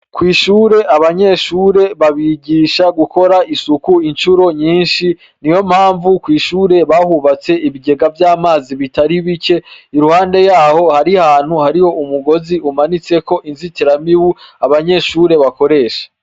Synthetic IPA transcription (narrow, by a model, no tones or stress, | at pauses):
kwiːʃuːɾe̞ʔaβaɲe̞ʃuːɾe̞βaβiɟiʃaɡuko̞ɾaisukuint͡ʃuɾo̞ɲiːnʃi | nijo̞m̥haːɱvukwiːʃuːɾe̞βahuβat͡se̞ʔiβiɡe̞ɡavjaːmaːziβitaɾiβit͡ʃe̞iɾuhaːnde̞jaːho̞haɾihaːn̥huhaɾijo̞ʔumuɡo̞ziumanit͡se̞ko̞ʔinzitiɾamiwuaβaɲe̞ʃuːɾe̞βako̞ɾe̞ːʃḁ